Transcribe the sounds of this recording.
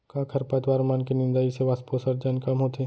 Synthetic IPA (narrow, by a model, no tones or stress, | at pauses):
kãːkʰɐɾpɐt̪ʋaːɾmaːnkenɪ̃nd̪aiseʋasposɐɾd͡ʒənkɐmɦoːt̪eː